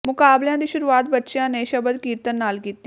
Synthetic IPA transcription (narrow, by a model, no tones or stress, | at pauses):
mʊkaːbljãd̪iːʃʊɾuːaːt̪̚bətːʃjãːneːʃəbəd̪kiːɾt̪ənːaːlkiːt̪ː